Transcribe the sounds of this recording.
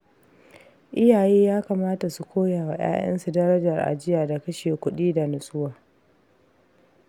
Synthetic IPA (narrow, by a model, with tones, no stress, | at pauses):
ʔɪ˦jaː˨jeː˦jaː˦kaː˨maː˦ta˨su˨kʷʰoː˦jaː˨wa˨j̰a̰ː˦j̰ʔɐ̰˦nsu˨dɐ˦ɾɐ˦d͡ʒɐ˨rʔa̰˨d͡ʒɪ˦jaː˨da˨kɐ˦ʃeː˨kʷʊ˦ɗiː˦da˨nʊ˨sʼʊ˦waː˨